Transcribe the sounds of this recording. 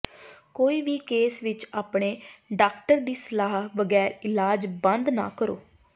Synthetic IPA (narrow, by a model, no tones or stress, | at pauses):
koːiːʋiːkeːsʋɪt͡ʃaːpɽeːɖaːk̚ʈəɾd̪iːsəlaːɦʋəɡɛːɾɪlaːd͡ʒbə̃nd̪na̰ːkəɾo̰ː